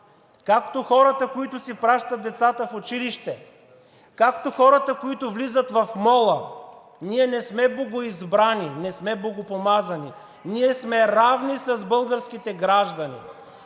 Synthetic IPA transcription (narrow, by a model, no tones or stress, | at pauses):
kakt̪oxɔɾət̪əkoit̪ʊsipɾaʃt̪ɐt̪̚d̪ɛt̪sat̪əfot͡ʃiliʃt̪ɛ | kakt̪oxɔɾət̪əkoit̪ʊvlizət̪vɐfmɔlˠə | niɛnɛsmɛbloɡoizbɾaninɛsmɛblˠoɡopomazɐni | niɛsmɛɾavnisɐzbɤlˠɡəɾskit̪ɛɡɾaʒd̪ɐnḭ